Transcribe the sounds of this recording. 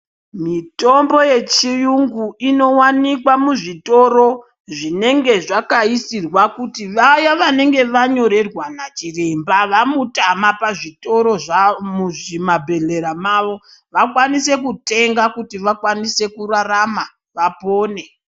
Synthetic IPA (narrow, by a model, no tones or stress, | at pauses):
mito̞mbo̞je̞t͡ʃijuŋɡuino̞wanikwamuʐito̞ɾo̞ | ʐine̞ŋɡe̞ʐakaisirwakutiʋajaʋane̞ŋɡe̞ʋaɲo̞ɾe̞rwanat͡ʃire̞mbaʋamutamapaʐito̞ɾo̞ʐamuʐimabʱe̞ɮe̞ɾamaʋo̞ | ʋakwanise̞kute̞ŋɡakutiʋakwanise̞kurarama | ʋapo̞ːne̞